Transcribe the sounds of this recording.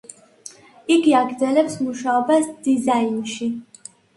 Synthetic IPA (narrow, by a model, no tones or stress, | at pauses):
iɡiaɡɾd̪zɛlɛpsmuʃaɔbasd̪̥izainʃi